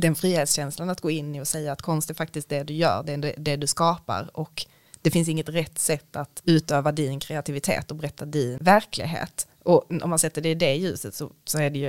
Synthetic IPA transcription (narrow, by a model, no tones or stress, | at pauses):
d̪ɛnfɾiːheːt̪sɕɛnslanat̪̚ɡoːɪnːɪɔsɛjːaːt̪kʰɔnst̪ɛɾfak̚t̪ɪskt̪̚d̪ɛd̪ɵjœ̰ːɖɛdɛd̪ɛd̪ɵskɑːpa̰ɾɔk | d̪̥ɛfɪns̬ɪŋːət̪ɾɛt̪ːsɛt̪ːat̪ʉ̟ːt̪øːvad̪ɪnkʰɾɛat̪ʰɪvɪt̪ʰḛːt̪ɔbɛɾɛt̪ʰːad̪ɪnvæɾkʰlɪ̰ɡɦḛːt̪ | ɔɔ̰mːansɛt̪ːəɖɛɪd̪ɛjʉ̟ːsət̪sɔsɔæɖɛjɵ